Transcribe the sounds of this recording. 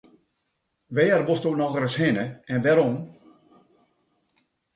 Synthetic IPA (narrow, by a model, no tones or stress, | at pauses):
ʋɛːərʋostonɔɣəɾəshɪnəɛnʋɛɾɔm